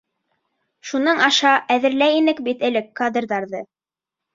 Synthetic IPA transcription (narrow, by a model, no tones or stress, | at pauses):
ʃunɤɴɑʃɑʔæðɘ̆ɾlæjinɘkbit̪ɘ̆lɘkːad̪rðɑɾðɤ